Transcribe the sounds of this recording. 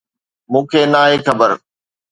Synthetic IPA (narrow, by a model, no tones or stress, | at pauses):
mũːkʰeːnaːɦekʰɐbəɾ